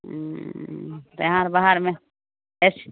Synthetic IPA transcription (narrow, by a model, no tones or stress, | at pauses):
t̪ãɾbaɦaɾmẽ | es